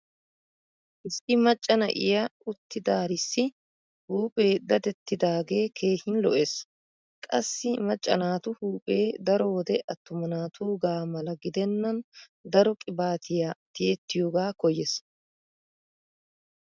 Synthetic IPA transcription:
ʔɪsːɪmɐt͡ʃʼːɐnɐ̰ʔɪ̰jɐʔʊt̪ːɪd̪aːɾɪsːɪ | huːpʼe̞ːd̪ɐd̪ɛt̪ːɪd̪aːɡe̞ːkʰe̞ːhɪnlɔ̰ʔeːs | kʼɐsːɪmɐt͡ʃʼːɐnaːt̪ʊhuːpʼe̞ːd̪ɐɾɔwɔd̪ɛʔɐt̪ːʊmɐnaːt̪ʰuːɡaːmɐlɐɡɪd̪ɛnːɐn | d̪ɐɾɔkʼɪbaːt̪ʰɪjat̪ɪjet̪ːɪjoːɡaːkɔjɛs

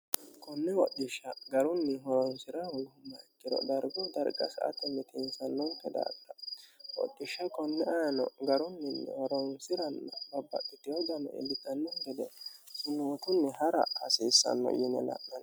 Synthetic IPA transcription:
kʰɔnːɛwɔɗɪʃɐɡɐɾʊnːɪɦɔɾɔnsɪɾɐwɔjhʊmːɐkʼːɪɾɔ̰d̪ɐɾɡɔd̪ɐɾɡɐsɐʔɐ̰t̪ɛnːɛt̪ʰɛnsɐnːɔŋkɛd̪a̰ːkːɐwɔ̰ɗːɪʃːɐkɔnːɛaːnɔ̰ɡɐɾʊnːɪnːɛ̰hɔɾɔnsɪɾɐnːɔbɐbːɐ̰ʔːɪt̪ːɪjɔd̪ɐnɔ̰ʔɛ̰bɪt̪ʼːɐnːɔŋɡɛd̪ɛsʊnut̪ʊnːɛɦɐɾɐ̰hɐsiːsːɐ̰nːɔ̰jɪnɛ̰la̰ʔnɐn

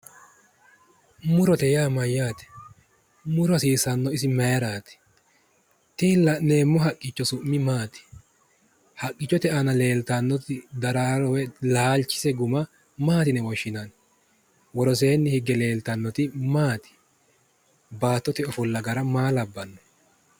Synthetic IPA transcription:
mʊɾɔt̪ɛjaːmɐjːaːt̪ɛ̥ | mʊɾɔsiːsɐnːɔɪsɪmɐjɐɾaːt̪ɛ̥ | t̪ilɐne̞ːmːɔɦɐkʼːɪt͡ʃːɔsʊʔmːɪmaːt̪ɪ̥ | hɐkʼːɪt͡ʃːɔt̪ɛʔɐnɐle̞ːlt̪anːɔt̪ɪd̪ɐɾaɾɔwɛlaːlt͡ʃːɪ̥sɛɡʊmɐ | maːt̪ɪnɛwɔʃːɪnan | wɔɾɔse̞ːnːɪhɪɡɛle̞ːlt̪ɐnːɔt̪ɪmaːt̪ɪ̥ | baːt̪ːɔt̪ɪɔfɔlːɐɡɐɾɐmaːlɐbːɐnːɔ̥

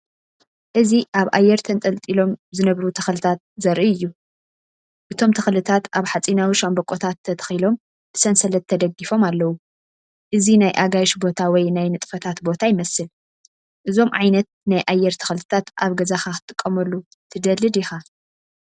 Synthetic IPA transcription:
ʔɨziʔaβʔajːɛɾt̪ʰɐnt̪ʼɐlt̪ʼilo̞mzɨnɐβɾut̪ʰɐxlɨt̪ʰat̪̚zɐɾʔiɨjːu | ʔɨt̪ʰo̞mt̪ʰɐxlɨt̪ʰat̪ʔaβħat͡sʼinawiʃambɐkʼːot̪ʰat̪ʰːɐt̪ʰɐ̥xilo̞m | b̥ɨsɐnsɐlɐt̪ʰːɐd̪ɐɡifo̞malːɐwu | ʔɨzinajʔaɡaʃbo̞t̪ʰawɔjnajnɨt̪ʼfɐt̪ʰat̪bo̞t̪ʰajɪmɐsɨl | ʔɨzo̞mʕa̰jnɐt̪̚najʔajːɛɾt̪ʰɐ̥xlɨt̪ʰat̪ʔaβɡɐzaxaxɨ̥t̪ʼɨkʼːɐmɐlːu | t̪ʰɨd̪ɐlɨd̪jɪxa

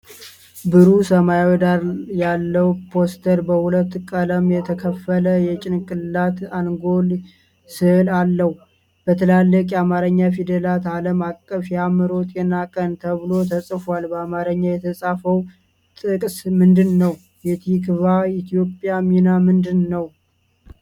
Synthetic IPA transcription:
bɨɾusəmajwd̪aɾjalːəwpʰo̞st̪ʰəɾbəhulət̪ːkʼələmjɛt̪ʰəkʰəfːələjɛt͡ʃʼɪnkʼɨlːat̪anɡo̞l | sɨhɨlalːəh | b̥ət̪ʰəlalːəkʼjamaɾəɲːafid̪əlat̪aləmakʼːəfjamɨɾo̞t̪ʼjɛnakʼənt̪ʰəβɨlo̞t̪ʰəsʼfalbəamaɾəɲːajɛt̪ʰəsʼafəw | t̪ʼɨkʼsmɨnd̪ɨnːəw | jɛt̪ʰikβait̪ʰijo̞pʼːjaminamɨnd̪ɨnːəw

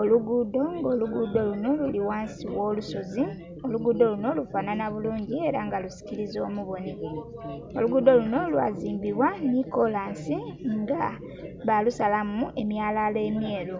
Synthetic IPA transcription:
o̞luɡud̪o̞ŋɡo̞ːluɡuːdo̞luno̞luliwaːnsiβwo̞ːluso̞zi | o̞luɡuːdo̞luno̞lufaːnanaβuluːɲɟie̞ɾaŋɡalusi̥ciɾizo̞̰ːmuβoni | o̞luɡuːd̪o̞luno̞lwa̰ːziːmbiβwanikolaːnsiŋɡa | βalusalamue̞mjaːlale̞mje̞ːlu

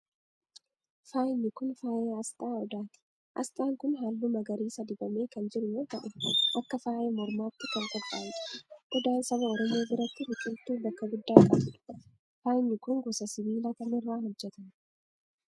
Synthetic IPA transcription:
faːjɪnːɪkʊnfaːʔeːɐst̪ʼaːɔd̪aːt̪ɪ̥ | ʔɐ̰st̪ʼaːŋkʊnɦaːlːumɐɡɐɾiːsɐd̪ɪbɐme̞ːkɐnd͡ʒɪɾʊjoːt̪ɐʔɛʔɐkːɐfaːʔe̞ːmɔɾmaːt̪ːɪkɐŋkʼɔpʼːa̰ːnᶑɐ̥ʔɔd̪aːnsɐbɐɔɾɔmoːbɪɾɐt̪ːɪbʊkʼːɪlt̪ːuːbɐkːɐɡʊd̪ːaːkʼɐbɪᶑʊ̥ | faːjɪnːɪkʊŋɡɔsɐsɪβiːlak̪ɐnɪrːaːɦɔd͡ʒːɛt̪ɐn

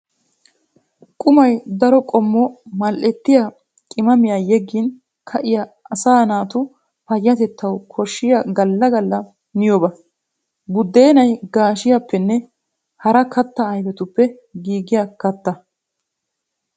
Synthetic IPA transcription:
kʼʊmɐjd̪ɐɾɔkʼɔmːɔmɐlʔɛt̪ːɪja | kʼɪmɐmɪjajɛɡːɪn | kʰɐʔɪjaɐsaːnaːt̪ʊ | pɐjːɐt̪ɛt̪ːɐwkʰɔʃːɪjɐɡɐlːɐɡɐlːɐ | nɪjɔbɐ | bʊd̪ːe̞ːnɐjɡaːʃɪjɐpːɛnːɛ | hɐɾɐkɐt̪ːɐɐjbɛt̪ʊpːɛ | ɡiːɡɪjakɐt̪ːɐ

